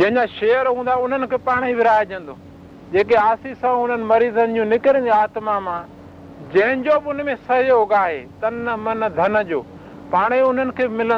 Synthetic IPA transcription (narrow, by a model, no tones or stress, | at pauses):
d͡ʑɐ̃ɦɪ̃ɲd͡ʑaʃeːjəɾɦũːn̆d̪aʊn̤ənɪ̆kʰeːpaːɽ̃ibɪɾaːed͡ʑɐ̃n̆d̪oː | d͡ʑeːk̬eaːsisãʊn̤ənɪ̆mɐɾiːzənɪ̆d͡ʑũːnɪkɾẽːn̆d̪iaːt̪mamãː | d͡ʑɐ̃ɦɪ̃ɲd͡ʑobɪʊn̆mẽsɐɦioɦʊɡaːɦeːt̪ɐnmɐnd̪ʱɐnə̆d͡ʑoː | paːɽ̃iʊn̤ənɪ̆kʰeːɪmɪlə